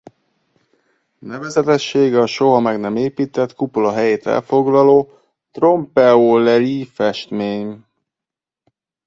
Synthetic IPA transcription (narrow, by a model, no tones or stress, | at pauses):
nɛvɛzɛt̪ɛʃːeːɡɒʃo̞ɦɒmɛɡnɛmeːpiːt̪ɛt̪kupoloɦɛjeːt̪ɛ̰lfo̞ɡlɒloː | t̪ro̞mpɛolɛlifɛʃt̪meːɲ